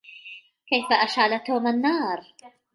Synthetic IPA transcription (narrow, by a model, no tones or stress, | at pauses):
kajfaʔaʃʕalat̪oːmanːɑːɾˤ